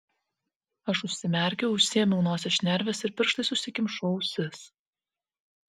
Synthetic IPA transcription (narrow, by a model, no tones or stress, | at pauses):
ɐʃʊʃʲsʲɪmʲɛˑɾʲkʲɛʊʊʃʲsʲiɛmʲɛʊnoːsʲɛʃʲnʲɛɾʲʋʲeːsɪɾpʲɪɾʃt̪ɐɪsʊʃsʲɪkʲɪmʃɔʊsʲɪs